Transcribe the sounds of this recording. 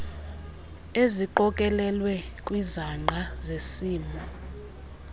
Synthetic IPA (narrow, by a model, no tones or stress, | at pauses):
eziǃɔkʼɛlɛlwɛkʼwizaŋ͡ǃʱazesiːmɔ